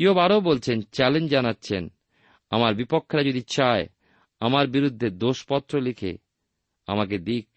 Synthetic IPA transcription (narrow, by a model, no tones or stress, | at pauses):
iobaɾobolt͡ɕʰent͡ɕɛlend͡ʑanatːɕʰen | amaɾbipokʰːeɾad͡ʑod̪it͡ɕae | amaɾbiɾud̪ʱːed̪oʃpɔt̪ːɾolekʰḛ | a̰maked̪ik̚